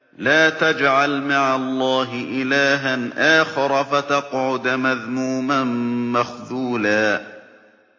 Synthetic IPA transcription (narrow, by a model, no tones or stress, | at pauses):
laːt̪ad͡ʒʕalmaʕalˤːɑːɦɪʔɪlaːɦanʔaːxɪɾˤɑfat̪ɑqʕʊd̪maðmuːmanmaxðuːlaː